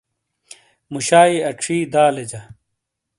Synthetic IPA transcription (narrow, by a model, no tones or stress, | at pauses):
muɕaːiɐʈ͡ʂʰiːd̪aːled͡ʑɐ